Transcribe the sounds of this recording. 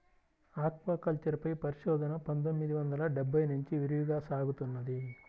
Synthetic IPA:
aːkʋɐkɐlt͡ʃɐɾpɐjpɐɾiʃɔːd̪ɐnɐpɐnt̪o̞mːid̪iʋɐnd̪ɐlɐɖɛbʱːɐjnuɲt͡ʃiʋiɾijuɡaːsaːɡut̪unːɐd̪i

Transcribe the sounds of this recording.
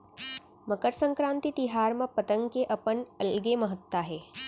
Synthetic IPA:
məkəɾsə̃ŋkɾãːnt̪it̪iɦaːɾmə̃pət̪ə̃ŋɡkeʔɐpənɐlɡemɐɦət̪ːaɦɛː

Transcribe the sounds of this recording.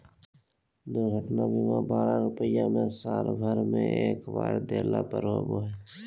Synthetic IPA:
d̪oːɡʱəʈnabimãbaːɾãɾʊpəɪjãmẽsaːlbʱəɾmḛ̃ʔeːkbaːɽd̪eːlapəɾɦoːboɦɛː

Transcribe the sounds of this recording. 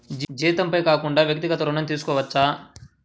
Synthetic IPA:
d͡ʒiːt̪ɐmpɐjkaːkuɳɖaːʋjɐk̚t̪iɡɐt̪ɐɾunɐnt̪iːsu̥kɔːʋɐt͡ʃːaː

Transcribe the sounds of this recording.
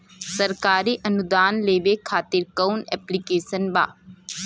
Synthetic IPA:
sɐɾkaːɾiʔɐnud̪aːnleːbekʰaːt̪iɾkɐwnɛ̰ːplikeːsənba̰ː

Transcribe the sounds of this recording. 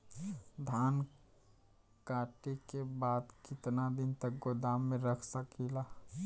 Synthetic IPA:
d̪ʱaːn | kaːʈekebaːd̪kɪt̪nad̪ɪnt̪ək̚ɡod̪aːmːẽɾəkʰsəkila

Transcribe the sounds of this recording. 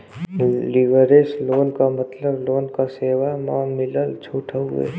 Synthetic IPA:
liʋəɾeːsloːnkamət̪ləbloːnkaseːwamɔːmɪləlt͡ʃʰuːʈʰaɦʊ̰ḛ

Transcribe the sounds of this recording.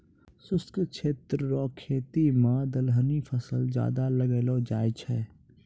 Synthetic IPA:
sʊst̪kət͡ʃʰeːt̪ɾəɾɔːkʰːeːt̪imãːd̪əlɦənipʰəsəld͡ʒja̰ːd̪aləɡeːlod͡ʒaːjt͡ʃʰɛ

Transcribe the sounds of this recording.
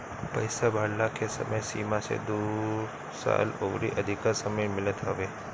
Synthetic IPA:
pəjsabʱaɽlakʰesə̰məjsimasḛd̪uɾ | sa̰loʋɾḭʔəd̪ʱikaɾsəməjmɪlət̪ɦəʋe

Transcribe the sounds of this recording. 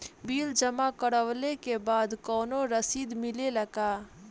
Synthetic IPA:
biːld͡ʒəmakəɽəwlekebaːd̪kɔːnoɾəsiːd̪mɪleləɡaː

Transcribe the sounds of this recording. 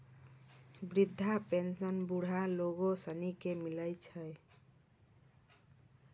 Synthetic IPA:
bɾid̪ʱːapensənbuɽ̤aloɡosənikemiləjt͡ʃʰəj

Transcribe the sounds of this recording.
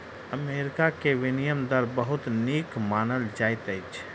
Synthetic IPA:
əmeːɾɪkakeʋɪnijəmd̪əɾbəɦʊt̪niːkmaːnəld͡ʒaːɪt̪əɪt͡ʃʰ

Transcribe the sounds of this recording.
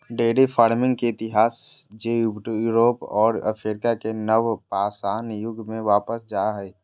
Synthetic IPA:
ɖeːɖifʰaːɾmɪ̃ŋɡkeɪt̪ɪɦaːsd͡ʒeːjʊɡʈujuːɾoːpɔ̰ːɾə̰fʰɾeɾɪkakenəʋpaːsaːnjʊɡʱmẽʋaːpəsd͡ʒaːɦɛː

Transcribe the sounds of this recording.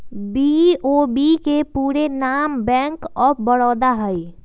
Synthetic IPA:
biobikepuːɾenaːmbɛ̃ːŋkɔːbəɽɔːd̪aɦəi

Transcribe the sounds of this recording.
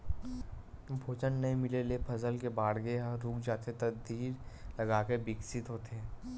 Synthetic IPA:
bʱoːd͡ʒənːɐɦĩmɪlelepʰɐzəlkebaːɽɡeɾuːkd͡ʒaːt̪et̪ɐd̪ʱiːɾlɐɡaːkebɪksɪt̪ɦoːt̪eɦɛː

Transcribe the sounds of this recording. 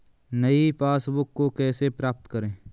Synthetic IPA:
nəipʰaːsbʊkːokɛːsepɾaːp̚t̪kəɾẽː

